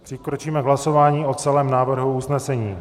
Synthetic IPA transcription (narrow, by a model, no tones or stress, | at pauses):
pr̥ɪkɾot͡ʃiːmɛɡɦlaso̞vaːɲiːo̞t͡sɛlɛːmnaːvr̩ɦuusnɛsɛɲiː